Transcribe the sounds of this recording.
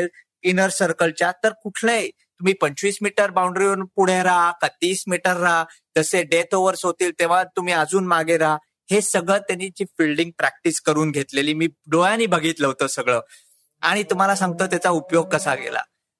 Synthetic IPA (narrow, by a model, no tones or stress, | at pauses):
l | inəɾsəɾkəlt͡ɕjat̪əɾkuʈʰnəj | t̪um̤iːpəɲt͡ɕʋiːsmiʈəɾbawũɳɖɾionpuɽ̤eɾakət̪iːsmiʈəɾːad͡zəseɖet̪ʰoʋəɾsot̪iːlt̪eʋ̤at̪um̤iːəd͡zuːnmaɡeɾa | hesəɡɭət̪janit͡ɕiːfilɖiŋɡ̚pɾæk̚ʈiskəɾuːnɡʱet̪leliːmiːɖojaniːbʱəɡiːt̪ləʋt̪əːsəɡɭəː | a̰ɽ̃it̪um̤alasãŋɡ̚t̪əːt̪at͡saupjoɡ̚kəsaɡḛla̰